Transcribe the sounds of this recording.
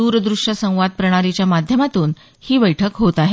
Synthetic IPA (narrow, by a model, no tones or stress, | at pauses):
uɾəd̪ɾuʂəsə̃w̃ʋad̪̚pɾəɽ̃aɾit͡ɕjamad̪ʱjəmat̪uːn | hiːbəjʈʰəkɦot̪aɦe